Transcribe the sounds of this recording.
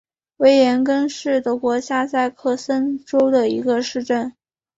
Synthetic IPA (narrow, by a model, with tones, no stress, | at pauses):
we˧˥ɪjɛ˧˥nk̬ə˥nʂɻ̩˥˩t̪ɤ˧˥kwɔ˧˥ɕja˥˧t͡sa˥˧ɪkʰɤ˥˩sə˥nʈ͡ʂo˥ʊd̪ə˨i˧˥ɡə˧ʂɻ̩˥˧ʈ͡ʂə˥˩n